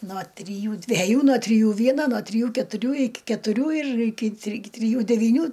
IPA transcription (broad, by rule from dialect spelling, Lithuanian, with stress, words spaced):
noː tʲrʲɪˈjuː dʲʋʲɛˈjuː noː tʲrʲɪˈjuː ˈʋʲiɛnoː noː tʲrʲɪˈjuː kʲɛtʊˈrʲuː ˈɪkʲɪ kʲɛtʊˈrʲuː ɪr ˈɪkʲɪ tʲrʲɪ tʲrʲɪˈjuː dʲɛʋʲiːˈnʲuː